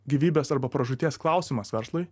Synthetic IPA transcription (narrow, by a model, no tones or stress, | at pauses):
ɡʲiʋʲiːbʲeːsɐɾbɐpɾɐʒʊt̪ʲiɛsklˠɑˑʊsʲiːmɐsʋʲɛɾslˠʊɪj